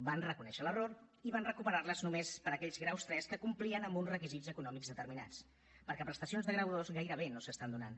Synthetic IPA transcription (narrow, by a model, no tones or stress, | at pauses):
banrəkunɛʃələroɾiβanrəkupəɾarləznumespəɾəkɛʎzɣɾawst̪ɾɛskəkumpliənəmbunzrəkizizəkunɔmiɡzðət̪əɾmina̰t͡s | pəɾkɛpɾəst̪əsionzðəɣɾəwðozɣajɾəβ̞enosəst̪and̪unan